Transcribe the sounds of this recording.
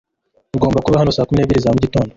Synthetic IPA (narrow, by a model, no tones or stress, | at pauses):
uɡo̞ːmbakuβahano̞saːkumineːβiɾizamuɟito̞ːndo